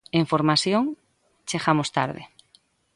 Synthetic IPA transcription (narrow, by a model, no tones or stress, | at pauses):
eɱfoɾmasjoŋ | t͡ʃexamost̪a̰ɾð̞ḛ